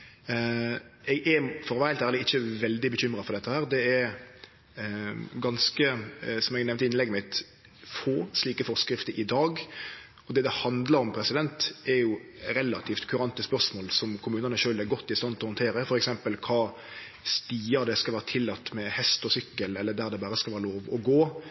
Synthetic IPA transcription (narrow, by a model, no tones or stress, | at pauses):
ɛɡɛfɔʁʋæɪlt̪æːɾləɪçːəʋɛld̪ɪbəçʏmɾɑfɔʁɾd̪ɛt̪ːəhæːɾd̪ɛɛɾ | ɡɑnskəsɔmɛɡnɛʋnt̪əɪnlɛɡəmɪt̪ | foːsliːkəfɔɾskɾɪft̪əɾʔɪd̪ɑːɡ | ɔd̪ɛːd̪ɛhɑnd̪lɑɾɔmpʰɾɛsɪd̪ɛnt̪ɛɾjʊ | ɾɛlːɑt̪ʰiːft̪kʰʉɾɑnt̪əspœʁsmoːlsɔmkʰʊmʉːnənəʃøːlæɾɡɔt̪ːɪst̪ɑnt̪ɔhʊnt̪ʰeːɾəfɔɾɛksɛmpəlkʰɑː | st̪iːəɾd̪ɛskɑlʋæːɾət̪ʰɪlːɑt̪ːmɛhɛst̪ɔsʏkːəlɛlːəd̪æːɾd̪ɛbɑːɾəskɑlʋæːɾəloːʋɔɡoː